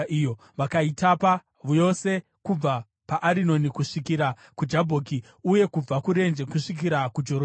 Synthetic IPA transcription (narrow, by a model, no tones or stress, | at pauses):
ijo | ʋakaitapa | ʋujo̞se̞ | kub͡va | paʔaɾino̞nikuʂikiɾa | kud͡ʒabʱoːki | uje̞kub͡vakuɾe̞nd͡ʒe̞kuʂik̬iɾakud͡ʒo̞ɾo